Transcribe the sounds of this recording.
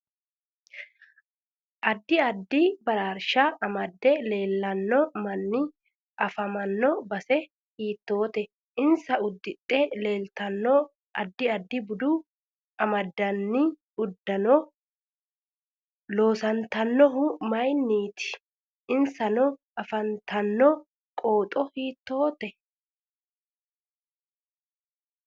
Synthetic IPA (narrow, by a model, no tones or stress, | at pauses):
ʔɐd̪ːɪɐd̪ːɪbɐɾaːɾʃɐɐmɐd̪ːɛle̞ːlːɐnːɔmɐnːɪ | ʔɐfɐmɐnːɔbɐsɛ | hiːt̪ːo̞ːt̪ɛ | ʔɪnsɐʊd̪ːɪt̪ʼːɛle̞ːlt̪ɐnːɔ | ʔɐ̰d̪ːɪɐd̪ːɪbʊd̪ʊ | ʔɐmɐd̪ːɐnːɪ | ʊd̪ːɐnɔ | lo̞ːsɐnt̪ɐnːɔɦʊmɐjnːiːt̪ɪ̥ | ʔɪnsɐnɔ | ɐfɐnt̪ɐnːɔ | kʼo̞ːt̪ʼɔhiːt̪ːo̞ːt̪ɛ